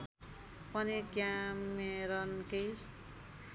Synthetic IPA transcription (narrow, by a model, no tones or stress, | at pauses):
pʌnekjameɾʌnkej